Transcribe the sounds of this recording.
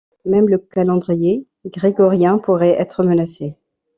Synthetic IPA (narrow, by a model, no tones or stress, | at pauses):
mɛmləkalɑ̃d̪ʁije | ɡʁeɡɔʁjɛ̃puʁɛɛt̪χəmənase